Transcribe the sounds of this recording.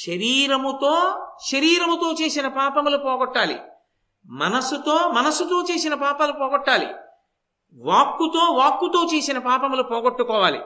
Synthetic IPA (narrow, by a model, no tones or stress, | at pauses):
ʃɐɾiːɾɐmut̪oːʃɐɾiːɾɐmut̪o̞ːt͡ʃe̞ːsinɐpaːpɐmlupɔːɡɔʈːaːlḭ | mɐnɐsut̪o̞ːmɐnɐsut̪o̞ːt͡ʃe̞ːsinɐpaːpɐlupɔːɡɔʈːaːlḭ | ʋaːkːut̪o̞ːʋaːkːut̪o̞ːt͡ʃe̞ːsinɐpaːpɐmulupɔːɡoʈːukɔːʋaːlḭ